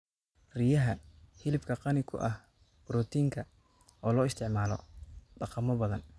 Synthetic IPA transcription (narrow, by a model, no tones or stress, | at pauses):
rijɐɦɐhɪlɪbkʰɐqɑnɪkʰʊ̰ʔɐh | b̥ɾɔːt̪ʰiːŋkʰɐ | ʔɔːlɔːɪst̪ʰɪʕmaːlɔ̰ɖɑqɑmɔbɐðɐn